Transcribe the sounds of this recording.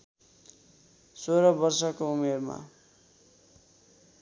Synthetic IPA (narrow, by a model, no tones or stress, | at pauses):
soɾʌbʌrsʌkoumerma̰